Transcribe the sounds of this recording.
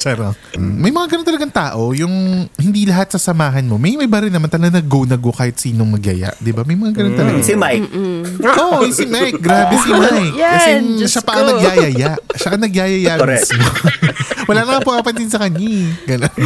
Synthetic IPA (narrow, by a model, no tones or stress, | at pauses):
t͡ʃɛɾo | mɐjmɐŋaɡɐnont̪ɐlɐɡaŋt̪aːʔo̞jʊŋhɪnd̪ilɐɦat̪̚sɐsɐmaːɦɐnmo̞mɐjmɐjbɐɾɪnɐmant̪ɐlɐɡanɐɡownɐɡokaːhɪt̪siːnoŋmɐɡja̰ja̰ʔd̪ɪbamɐjmɐŋaɡɐnont̪ɐlɐɡɪmajkʔomɐjsɪmajk̚ɡɾaːbɛsimajkkɐsɛʃapɐʔɐŋnɐɡjaːjajaʔʃaʔɐŋnɐɡjaːjɐjasmo | wɐlaːnɐmaŋpʊʔaːpɐnt̪ɪnsɐkɐɲaɡɐnon